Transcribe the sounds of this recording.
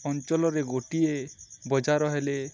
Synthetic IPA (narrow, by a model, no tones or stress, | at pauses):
ɔnt͡ʃɔlɔɾeɡoʈiebɔd͡ʒaɾɔɦele